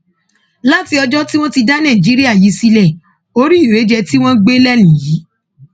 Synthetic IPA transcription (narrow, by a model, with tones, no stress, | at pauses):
la˦ti˧˦ɔ˧d͡ʒɔ˦ti˦w̃ɔ̃˦ti˧da˦nã˦˨d͡ʒi˨˦ɾi˦a˦˨ji˨˦si˧lɛ˦˨ | o˦ɾi˦o˨ɾe˨˦d͡ʒɛ˧ti˦w̃ɔ̃˦ɡ͡be˦lɛ˦˨lĩ˨ji˨˦